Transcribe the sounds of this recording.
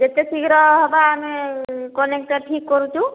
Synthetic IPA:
d͡ʒet̪esiɡɾɔɦɔbaːmikɔnek̚ʈaɾʈʰikːɔɾut̪ũ

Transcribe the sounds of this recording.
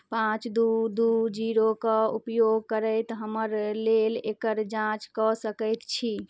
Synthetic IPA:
pãt͡ʃd̪ud̪ud͡ʒiɾokəupjoɡ̚kəɾəɪt̪ɦəməɾlelekəɾd͡ʒãt͡ʃkɔsəkəjt̪t͡ʃʰi

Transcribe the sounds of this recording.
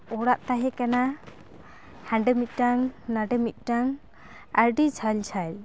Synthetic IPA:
ɔɽaʔt̪aɦɛkana | hãɳɖɛmit̪̚ˀʈaŋnaɖɛmit̪̚ˀʈaŋ | aɾɖid͡ʒʰajlt͡ʃʰajl

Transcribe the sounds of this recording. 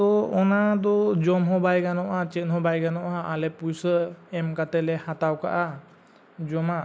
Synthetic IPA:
t̪ɔɔnad̪ɔd͡ʒɔmɦɔbajɡanɔʔat͡ʃɛnhɔbajɡanɔʔɦaalɛpujsəɛmkat̪ɛlɛhat̪awka̰ʔa | d͡ʒɔma

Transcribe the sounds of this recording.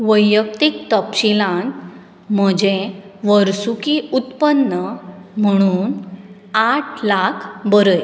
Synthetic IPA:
ʋəjək̚t̪ik̚t̪əpɕilãn | m̤əd͡ʑẽ | ʋəɾsukiut̪pənːəm̤əɽ̃uːn | aʈʰlakʰbəɾəj

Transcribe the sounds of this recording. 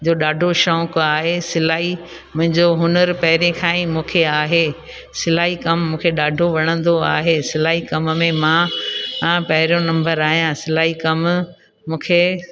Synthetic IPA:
d͡ʑoːɗaːɖʱoʃɔːkaːɦesɪlaːi | mʊ̃ɦɪ̃ɲd͡ʑoɦʊnəɾpɐɦɪɾẽkʰãːĩmũːkʰeaːɦeː | sɪlaːikɐmːũːkʰeɗaːɖʱoʋɐɽ̃ə̃nd̪oaːɦesɪlaːikɐmmẽmã | pɐɦɪɾijõnɐ̃mbəɾaːɦijãsɪlaːikɐm | mũːkʰeː

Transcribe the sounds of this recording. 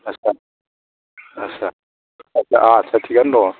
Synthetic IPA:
asa | asa | asaʔat͡sʰat̪ʰikandɔ

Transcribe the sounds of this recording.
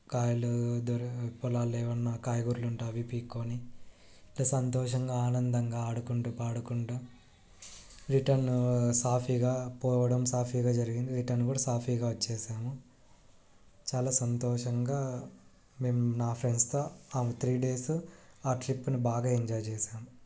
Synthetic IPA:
kaːjɐlud̪oɾpɔlaːlɛːʋɐnːɐkaːjɐɡuɾluɳʈaːʋipiːkːoːni | lːɐːsɐnt̪ɔːʂɐŋɡaːaːnɐnd̪ɐŋɡaːaːɽukuɳʈupaːɽukuɳʈu | ɾiʈɐɾnsaːpʰiːɡaːpɔːʋɐɽɐmsaːpʰiːɡaːd͡ʒɐɾiɡind̪iɾiʈɐɾnkuːɽasaːpʰiːɡaːʋɐt͡ʃːɛːʃaːmu | t͡ʃaːlaːsɐnt̪ɔːʂɐŋɡaː | me̞ːmunaːpʰɾenst̪o̞ːaːmɐt̪ʰɾiːɖe̞ːsaːʈɾipːunubaːɡaːiɲd͡ʒaːjt͡ʃɛːʃaːmu

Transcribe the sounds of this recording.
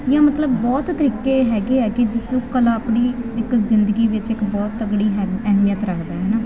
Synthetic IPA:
jãːmət̪ləbːɔːt̪t̪ːəɾiːkeːɦɛːɡeːɦɛːɡeːd͡ʒɪsũːkəlaːpniːɪkzɪnd̪əɡiːʋɪt͡ʃɪkbɔːt̪əɡɽiːɦɛɛːɦmijət̪ɾəkʰd̪aːɦɛːnaː

